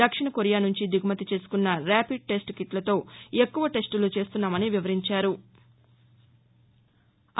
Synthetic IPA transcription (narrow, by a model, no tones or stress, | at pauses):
ɐkʂiɳɐkoɾijaːnuɲt͡ʃid̪iɡʱumɐt̪it͡ʃe̞ːsu̥kunːɐɾaːpiɖ̚ʈe̞sʈkiʈlɐt̪o̞ːe̞kːuʋɐʈe̞sʈulut͡ʃe̞ːst̪unːaːmɐniʋiʋɐɾiɲt͡ʃaːɾu